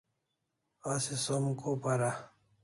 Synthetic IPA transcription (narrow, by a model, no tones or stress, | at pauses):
asesomkopaɾa